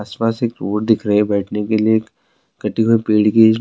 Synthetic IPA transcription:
spaːseːkɾoːɽd̪ɪkʰɾɐɦɛ̃bɛːʈʰnekelieeːk | ɡɐʈiɦoipeːɽkeːd͡ʒ

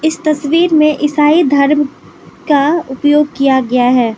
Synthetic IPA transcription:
ɪst̪ɐsʋiːɾmẽʔɪsaːid̪ʱɐɾm | kaʊpjoːɡ̚kijaɡɐjaɦɛː

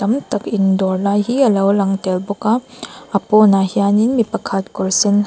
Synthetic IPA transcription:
tɐmtɐkindɔɾlajɦiɐlɐwlɐŋtelbɔkaɐpɔnahijaninmipɐkʰat̚kuɾsin

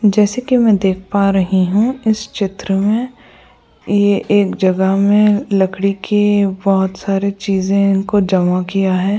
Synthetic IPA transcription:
d͡ʒɛːsekimɛ̃d̪eːk̚ʰpaɾɐɦiɦũɪst͡ʃɪt̪ɾəmẽ | jeʔeːkd͡ʒɐɡəɦmẽlɐkʰɽikʰebɔɦʊt̪saːɾet͡ʃiːzẽɪnkod͡ʒɐmakijaɦɛː

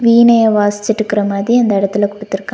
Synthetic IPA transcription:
ʋiːnɐjɐʋaːst͡ʃːɪʈːɯkːɪɾɐmaːðɾiɐnd̪ɐɪɽɐt̪ːɪlɐkʊɽɯt̪ːɪɾɯkːaː

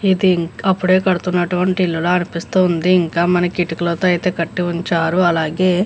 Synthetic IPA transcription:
id̪iŋɐpːuɽe̞ːkɐɽut̪unːɐʈuʋɐɳʈiilːuloːɐnipist̪und̪iːŋkaːmɐnɐkiʈikɐlɐt̪oːɐjt̪e̞ːkɐʈːiuɲt͡ʃaːɾuɐlaːɡe̞ː

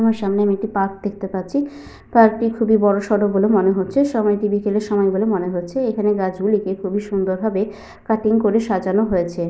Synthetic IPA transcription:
maɾʃamneamiek̚ʈipap̚d̪ek̚ʰt̪epaɾt͡ɕʰi | paɾʈikʰubibɔɾoʃɔɽok̚bolemoneɦotːɕʰeʃɔmɔjʈibikeleɾʃɔmɔeɡolemoneɦotːɕʰeekʰaneɡad͡ʑɡulikekʰubiʃund̪oɾbʱabe | kaʈiŋkoɾeʃad͡ʑanoɦojet͡ɕʰe

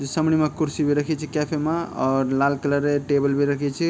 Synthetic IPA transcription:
d͡ʒesəmɽ̃imekuɾsibʱiɾəkʰɛt͡ʃʰikepʰemaɔːɾlalkələɾeʈebəlbʱiɾəkʰɛt͡ʃʰi

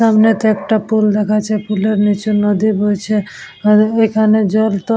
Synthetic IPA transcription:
amnet̪ekʈapuld̪ekʰat͡ʃʰɛpuleɾnit͡ʃunɔd̪ibʱot͡ʃʰɛ | ojkʰaned͡ʒɔlt̪ɔ

